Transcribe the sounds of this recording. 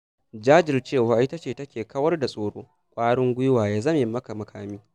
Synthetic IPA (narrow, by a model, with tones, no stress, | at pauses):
d͡ʒaː˦d͡ʒɪ˨rt͡ʃeː˦˨waː˨ʔɪ˦tɐ˦t͡ʃeː˦˨tɐ˦kʲeː˨kɐ˦wɐ˦rda˨sʼoː˨ɽoː˦ | kʷʼaː˦ɽɪ˦ŋɡʷʊ˦jʊ˦waː˨jaː˨zɐ˦mjɪ˨mːɐ˦ka˨mɐ˨kʰaː˦miː˦